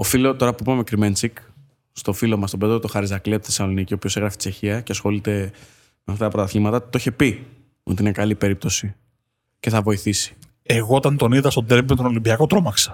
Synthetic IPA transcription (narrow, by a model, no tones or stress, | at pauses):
o̞filo̞t̪o̞ɾɐpuipɐme̞kɾime̞nt͡sik | st̪o̞filo̞mɐst̪o̞beðɾot̪oxɐɾizɐklit̪θesɐlo̞nicio̞pio̞se̞ɣɾɐfi̥t͡se̞çiɐceɐsxo̞lit̪e̞ | meɐft̪ɐt̪ɐpɾot̪ɐθlimɐt̪ɐt̪oiçe̞pi | o̞t̪iine̞kɐlipe̞ɾip̚t̪o̞si | ce̞θɐvo̞iθisi̥ | eɣoot̪ɐnt̪o̞niðɐst̪od̪ɾevimet̪ono̞limbiɐko̞t̪ɾo̞mɐksɐ̥